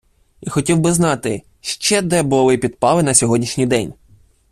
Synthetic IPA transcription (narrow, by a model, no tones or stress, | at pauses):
ixɔtʲiwbɪznɑt̪ɪ | ʃt͡ʃɛd̪ɛbʊlˠɪpʲid̪̚pɑlˠɪnɐsʲɔɦɔdʲnʲiʃnʲijd̪ɛnʲ